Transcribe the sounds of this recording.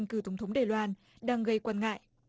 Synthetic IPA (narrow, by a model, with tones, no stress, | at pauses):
ŋ̟kɨ˧˩t̪ə˨˩ŋ͡mt̪ʰŋ͡mɗaː˧˩jlwaː˧n | ɗaː˧ŋɣə˧jkwaː˧nŋa̰ː˧˨jʔ